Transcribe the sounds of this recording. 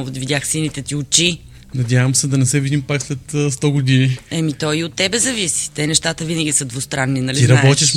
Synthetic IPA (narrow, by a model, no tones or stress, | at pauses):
vt̪vʲid̪ʲaxsinit̪ɛt̪iʊt͡ʃi | nɐd̪ʲavəmsɛd̪ɐnɛsɛvid̪impakslɛt̪ːst̪ɔɡʊd̪iniɛmit̪ɔiot̪ːɛbɛzɐvisi̥t̪ɛnɛʃt̪at̪əvinəɡʲisəd̪vʊst̪ɾanːinɐliiɾɐabɔt̪iʃ